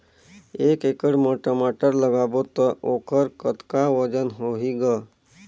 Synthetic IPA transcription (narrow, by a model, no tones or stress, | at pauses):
eːkekəɽmoːʈəmaːʈəɾləɡaːbot̪əʔoːkʰəɾkət̪kaʋəd͡ʒənɦoɦiɡa